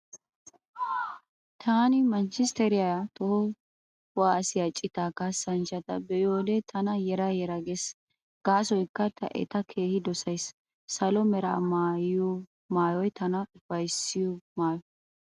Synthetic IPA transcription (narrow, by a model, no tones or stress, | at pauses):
t̪ʰaːnɪmɐnt͡ʃɪst̪ɛɾɪjajat̪ʼɔhɔ | waːsɪjɐt͡ʃʼːɪt̪akɐsɐnt͡ʃɐt̪ɐbɛjoːd̪ɛt̪ʰɐnɐjɛɾɐjɛɾɐɡes | ɡ̥aːsɔjkːɐt̪ʰɐ̰ʔɛ̰t̪ɐkʰe̞ːhɪd̪ɔsɐjsː | ɐlɔmɛɾaːmaːju | maːjɔjt̪ʰɐnɐb̥ɐjsːɪjɔmaːjɔ